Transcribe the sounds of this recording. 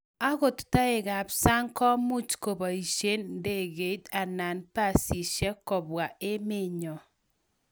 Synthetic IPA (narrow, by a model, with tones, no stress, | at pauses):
a˦ɣo˨tu̥˨ta˦e˨ɣa˨psa˦ŋkɔ˦mu˦t͡ʃko˨ba˨i˨ʃe˦nde˦˨ɣe˨˦ta˨na˨npa˦˨si˨ʃɛ˦kɔ˨βwa˨e˦me˦˨ɲɔ˨